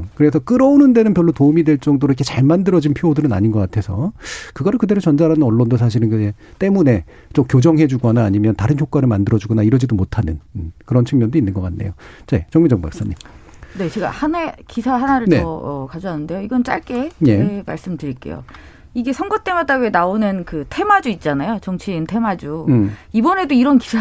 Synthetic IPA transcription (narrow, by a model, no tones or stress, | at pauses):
kɯɾe̞s̬ʰʌk͈ɯɾʌonɯnde̞nɯnpjʌɭːotoumidwe̞ɭt͡ɕ͈ʌŋdoɾoikʰet͡ɕaɭmandɯɾʌd͡ʑinpʰoodɯɾɯna̰ɲinɡʌk͈atʰe̞sʰʌkɯɡʌɾokɯde̞ɾot͡ɕʌnd͡ʑaɾanɯnʌɭːondos̬ʰaɕ̬ʰiɾɯnkɯd͡ʑet͈e̞mune̞ | t͡ɕomkjod͡ʑʌŋɦe̞d͡ʑuɡʌnaːɲimjʌntaɾɯnçjok͈waɾɯɭmandɯɾʌd͡ʑuɡʌnaiɾʌd͡ʑidomotʰanɯnkɯɾʌnt͡ɕʰɯŋmjʌndoinːɯnɡʌk͈anːe̞jot͡ɕet͡ɕʌŋmid͡ʑʌŋba̰k̚s͈aɲːim | ne̞t͡ɕe̞ɡa̰hanakisʰaɦanaɾɯɭnʌʌkad͡ʑoɦanɯnde̞joiɡʌnt͡ɕ͈a̰ɭk͈e̞je̞ma̰ɭs͈ɯmtɯɾik͈e̞̰jo̰ | iɡe̞sʰʌŋɡʌt͈e̞ŋadaɥenaonɯnkɯtʰe̞mad͡ʑuit̚t͡ɕ͈anajot͡ɕʌŋt͡ɕʰiːntʰe̞mad͡ʑuibʌne̞doiɾʌnki̥sʰa